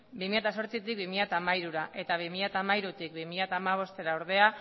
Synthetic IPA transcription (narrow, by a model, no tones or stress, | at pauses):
bimiʎat̪as̬o̞ɾt͡sit̪ik̚bimiʎat̪aːmaiɾuɾaʔe̞t̪aβimiʎat̪aːmaiɾut̪ik̚bimiʎat̪aːmaβ̞o̞st̪e̞ɾaoɾðe̞a